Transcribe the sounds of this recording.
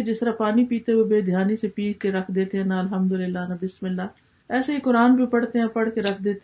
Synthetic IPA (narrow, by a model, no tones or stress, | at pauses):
d͡ʒɪst̪ɾaːpaːnipiːt̪eoːbeːd̪ʱɪjaːnisepiːkkeɾəkʰd̪eːt̪eɦɛ̃ːnaəlɦəmd̪ʊlɪlːaːnɐbɪsmɪlːaː | ɛːseikʊɾaːnbʱipəɽt̪eɦɛ̃ːpəɽ̤keɾəkʰd̪eːt̪